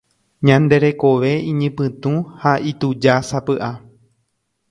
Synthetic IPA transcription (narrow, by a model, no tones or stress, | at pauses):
ɲãnd̪e̞ɾe̞ko̞ʋe̞ĩɲɨ̃pɨ̃t̪ũhaʔit̪ud͡ʒasapɨʔa